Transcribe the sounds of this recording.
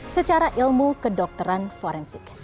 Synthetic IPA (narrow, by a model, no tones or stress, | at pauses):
sət͡ʃaɾaʔilmukədɔk̚t̪əɾanfɔɾɛnsɪk